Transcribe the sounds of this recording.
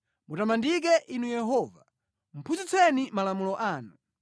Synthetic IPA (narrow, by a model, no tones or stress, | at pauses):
mutamandik̬ɛʔinujɛɦɔːva | m̩pʰuzit͡sɛnimalamulɔʔaːnu